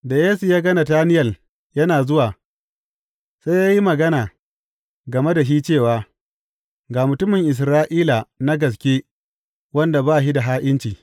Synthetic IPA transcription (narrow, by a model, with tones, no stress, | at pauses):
da˨jeː˦su˨jaː˦ɡɐ˦na˨taː˦nɪ˦jɐ˨l | jɐ˦naː˨zʊ˦waː˨ | sa˦jjaː˦ji˦mɐ˨ɡɐ˦naː˨ | ɡɐ˨me˦da˨ʃiː˦t͡ʃeː˦˨waː˨ | ɡaː˨mʊ˨tʊ˦mɪ˨ŋʔɪ˨s̬ɾaː˦ʔiː˦la˨na˦ɡɐ˨s̬kʲeː˦ | wɐ˦nda˨ba˦ʔa˨ʃi˦da˨ɦaː˦ʔɪ˦nt͡ʃiː˨